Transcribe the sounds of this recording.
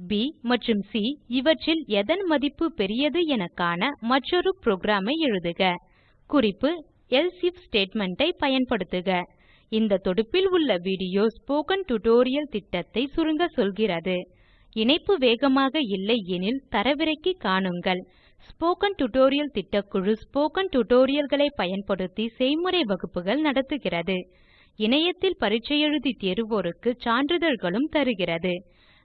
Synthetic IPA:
bimɐʈrɯmsiɪʋɐʈrɪlɛðɐnmɐðɪpːɯpɛɾɪjɐðɯɛnɐkːaːnɐmɐʈrɔɾɯpɾoːɡɾaːmɐɪɛɻɯðɯɣɐ | kʊrɪpːɯ | ɛlsɪfsʈeːʈmɛɳʈɐɪpɐjɐnpɐɽɯt̪ːɯɣɐ | ɪnd̪ɐt̪ːɔɽɯpːɪlʊɭːɐʋiːɽɪjoːspoːkɐnʈʊʈoːɾɪjɐlt̪ɪʈːɐt̪ːɐɪsʊɾɯŋɡɐsɔlɣɪrɐðɯ | ɪɳɐɪpːɯʋeːɣɐmaːɣɐɪlːɐɛnɪlt̪ɐɾɐʋɪɾɐɪkːɯkːaːɳɯŋɡɐɭ | spoːkɐnʈʊʈoːɾɪjɐlt̪ɪʈːɐkːʊɻɯspoːkɐnʈʊʈoːɾɪjɐlɣɐɭɐɪpːɐjɐnpɐɽɯt̪ːisɛjmɯɾɐɪʋɐɣɯpːɯɣɐɭnɐɽɐt̪ːɯɣɪrɐðɯ | ɪɳɐjɐt̪ːɪlpɐɾɪt͡ʃːɐjɛɻɯðit̪ɛɾɯʋoːɾɯkːɯt͡ʃaːnɖrɾɯðɐɾɣɐɭɯmt̪ɐɾɯɣɪrɐðɯ

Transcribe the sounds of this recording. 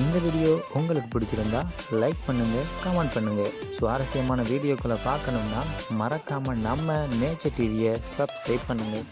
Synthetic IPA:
ɪnd̪ɐʋiːɽɪjoːʔʊŋɡɐɭɯkːɯpɪɽɪt̪ːɪɾɯnd̪ãː | lɐɪk̚pɐɳːɯŋɡɐkɐmɛɳɖ̚pɐɳːɯŋɡɐ | sʋa̰ːɾɐsɪjɐmaːnɐʋiːɽɪjoːkːɯɭɐpaːɾkɐɳɯmnaːmɐɾɐkːaːmɐnɐmːɐneːt͡ʃːɐʈːiʋɪjɐsɐbkɐɪppːɐɳːɯŋɡɐ

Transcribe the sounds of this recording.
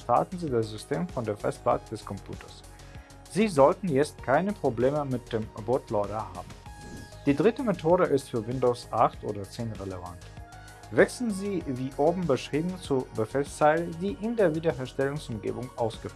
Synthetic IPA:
ʃta̰ɐtn̩ziːdasz̥ʏstʰeːmfɔndeːɐfɛ̰st̚b̥a̰ːtd̥ɛskʰɔmpʰj̥ṵːtʰɐs | z̥iːzɔltn̩jɛt͡stkʰaɪnəpʁ̥obleːməmɪt̚d̥eːmboɐtʰlɔʏɾɐha̰ːbm̩d̥iːdʁɪtəmetʰoːɾəʔɪstfyːɐvɪndoːsʔaχtʔo̰ːdɐt͡seːnʁeləva̰nt | vɛksl̩nziːviːʔoːbm̩bəʃʁ̥iːbm̩t͡suɐbəfɛlst͡saɪlədiːʔɪndeːɐviːdɐɦɛːɐʃtɛlʊŋsʔʊmɡḛːbʊŋʔa̰ʊsɡ̥əf

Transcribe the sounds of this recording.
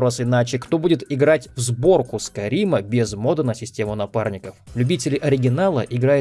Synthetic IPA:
ɾosɪnat͡ɕɪkt̪obudʲɪt̪ɪɡɾatʲvzbo̞rkʊskɐɾʲiməbʲɪzmo̞d̪ənəsʲɪsʲtʲe̞mʊnɐparnʲɪkəflʲʉbʲitʲɪlʲɪʔɐɾʲɪɡʲɪnalˠəʔɪɡɾajʊ

